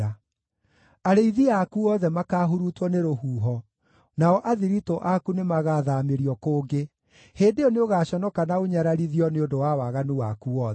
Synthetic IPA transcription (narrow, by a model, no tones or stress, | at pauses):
a | aɾeiðiakuɔðɛmakaːɦuɾutwɔneɾohuːɦɔ | naɔʔaðiɾitoʔakunemaɣaðameɾiɔkoːɡe | heːdeɔneoɣaːɕɔnɔkanaoɲaɾaɾiðiɔneodowawaɣanuwakuɔðɛ